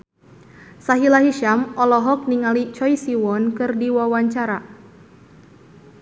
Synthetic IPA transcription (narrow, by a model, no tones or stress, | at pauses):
saɦilaɦiʃamɔlɔɦɔk̚niŋalit͡ʃɔisiwɔnkɨrdiwawaɲt͡ʃaɾa